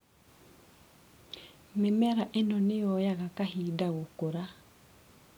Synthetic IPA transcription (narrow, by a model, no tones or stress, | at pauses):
memɛɾaʔenɔnejɔjaɣakahiːdaɣokoɾa